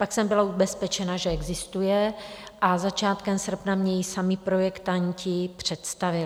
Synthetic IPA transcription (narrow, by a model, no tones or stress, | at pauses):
paksɛmbɪlaubɛspɛt͡ʃɛnaʒɛɛɡzɪst̪ujɛʔazat͡ʃaːt̪kɛmsr̩pnamɲɛjisamɪpɾojɛkt̪aɲcɪpr̝̥ɛt̪st̪avɪl